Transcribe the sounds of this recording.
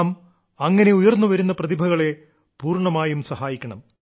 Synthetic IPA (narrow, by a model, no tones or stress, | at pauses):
m | ɐŋːɐne̞ujɐrnːuʋɐɾunːɐprɐðibʱɐɣɐɭe̞ | puːrɳɐmaːjumsɐɦaːjikʲːɐɳɐm